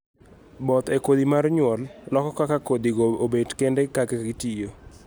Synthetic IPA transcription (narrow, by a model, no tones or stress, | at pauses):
bɔt̪ekod̪imarɲwɔllɔkɔkakakod̪iɡoobedkendɛkaɡekaɡitijo